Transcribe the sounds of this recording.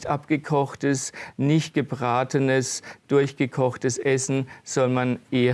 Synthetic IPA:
tʔapɡ̥əkʰɔχtəsnɪçt̚ɡ̥əbʁaːtənəsd̥ʊɐçɡ̥əkʰɔχtəsʔɛsn̩z̥ɔlmanʔeːɐ

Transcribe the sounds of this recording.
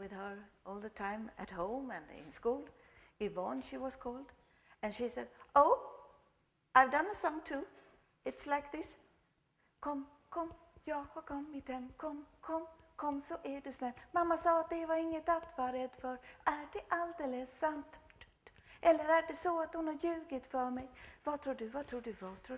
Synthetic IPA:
wɪðə˞ɔːlˠd̪ət̪ʰãɪ̃mæ̰t̪ɦõʊ̃mɛ̃nɪ̰̃nskuːl | ɪvɑnʃiwɑskʰɔːld̪ | ɛ̃nʃisɛd̪oʊ | aɪvdʌ̃nəsɔ̃ŋtʰu | ɪt̪slaɪk̚ðɪs | kʰɔm | kʰɔm | jɑːɡhɔkʰɔmːɪt̪hɛmːkʰɔmkʰɔmkʰɔmsɔʔæɖɛsnɛlmamːasɑːat̪̚d̪ɛvaɾɪŋːət̪at̪vɑɾɛd̪ːfœɾæɖɛʔald̪eləsːant̪ | ʔɛlːəɾæɖɛsɔat̪hʊnhaɾjʉ̟ːɡət̪fœɾmɛjvat̪ʰɾuːɖɵvat̪ʰɾuːɖɵvɑt̪ʰɾuː

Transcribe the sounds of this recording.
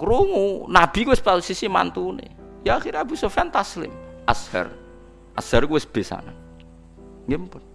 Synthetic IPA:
kɾuŋunab̥i̤kuwɪspat̪usisima̰nt̪unḛ | jaːxiɾɲabisɔfɛnt̪aslɪ̰mʔashɛ̰r | ʔasɛrkuwɪsb̥e̤sa̰nan | ŋimpʊn

